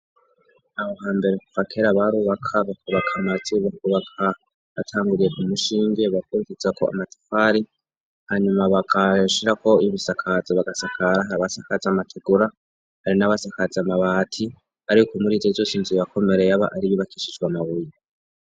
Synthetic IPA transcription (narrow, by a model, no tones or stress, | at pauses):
nahoɦaːmbe̞ɾekufakʰeɾaβaɾuːβakʰaβakuβakʰamaziβakuβakʰa | βatʰaːŋɡuɾije̞ʔumuʃiːɲɡe̞βakuɾikizako̞̰a̰mato̥faɾi | haɲumaβaɡaʃiɾako̞iβisakʰazaβaɡasakʰaɾaɦaɾaβasakazamatʰeɡuɾa | haɾinaβasakazamaβaːtʰi | aɾikomuɾizezoːsinziβakʰo̞me̞ɾe̞jaβa̰ʔaɾiβiβakiʃid͡ʒɡwamaβuje